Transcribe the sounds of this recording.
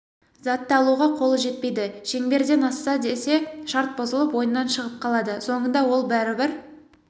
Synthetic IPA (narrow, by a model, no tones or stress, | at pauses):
zɑt̪ːəɑɑlˠuʁɑqʰo̞lˠəʒe̞t̪̚pe̞jd̪ɪʃe̞ŋbe̞ɾd̪e̞nɑsːɑd̪e̞se̞ʃɑɾt̪̚bozəlˠəpwo̞jənːɑnʃəʁəp̚qʰɑlˠɑd̪əso̞ɴənd̪ɑwo̞lˠbæɾɪbɪɾ